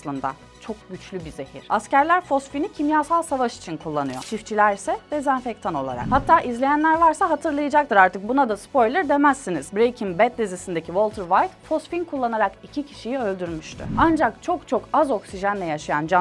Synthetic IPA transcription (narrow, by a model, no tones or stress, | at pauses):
slˠɯnd̪a̰ | t͡ʃʰo̞k̚ɟyt͡ʃlʲybize̞hḭɾ̥ascæɾlʲæɾfo̞sfinicʰimjaːsalˠsavaʃi̥t͡ʃʰinkʰulˠːanɯjo̞̰t͡ʃʰift͡ʃʰilʲæɾisɛd̪ɛzænfec̚t̪ʰano̞lˠa̰ɾa̰khat̪ʰːaːʔizlʲe̞jænlʲæɾvaɾsaɦat̪ʰɯɾlˠajad͡ʒak̚t̪ɯɾaɾt̪ɯk̚bunad̪aspo̞jlʲˠɛɾd̪e̞mæsːiniz̥bɾejcʰinbɛt̪d̪ʲizisind̪ecʰivo̞lˠt̪ʰɯɾvajt̪fo̞sfinkʰulˠːanaɾakicʰicʰi̥ʃijiø̞lʲd̪yɾmyʃt̪ʰy̰and͡ʒakt͡ʃʰo̞kt͡ʃʰo̞kazo̞ksiʒænlʲɛjaʃajand͡ʒa